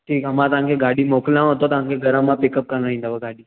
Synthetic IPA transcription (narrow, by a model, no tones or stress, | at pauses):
ʈʰiːkamãt̪ãŋkeɡaɽiːmokljãɦot̪ot̪ãŋkeɡəɾãmːãpikəp̚kəɾnaɦĩnd̪abaɡaɽiː